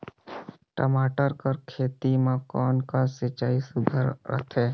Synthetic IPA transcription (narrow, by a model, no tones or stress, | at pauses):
ʈəmaːʈəɾkəɾkʰeːt̪imãkɔːnkasɪt͡ʃaːisʊd̪ʱəɾɾə̰t̪ʰeː